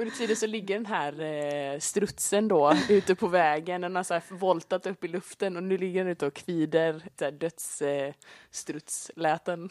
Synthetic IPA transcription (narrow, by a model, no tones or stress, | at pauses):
ɵnət̪ʰiːd̪ənsɔlɪɡːəɖɛnɦæːɾst̪ɾɵt̪sənd̪ɔʉ̟ːt̪əpʰɔvɛːɡənd̪ɛnhaɾsæːɾvɔlt̪at̪ɵpːɪlɵft̪ənɔnʉ̟ːlɪɡːəɾɛnʉːt̪əɔkʰviːd̪əɾæːɖœt̪s | st̪ɾɵt̪slɛːt̪ən